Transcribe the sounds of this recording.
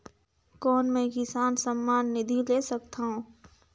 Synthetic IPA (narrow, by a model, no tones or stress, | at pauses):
kɔːnmẽkɪsaːnsəmːaːnːɪd̪ʱileːsɐkt̪aɦũː